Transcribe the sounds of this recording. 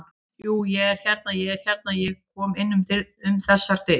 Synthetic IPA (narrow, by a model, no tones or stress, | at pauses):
juːjɛɣɛɾ̥çɛɾt̪̚najɛɣɛɾ̥çjɛɾt̪̚najɛɣkʰɔːmejnːʏmt̪ʰɪɾʏmθasaɾ̥t̪ɪ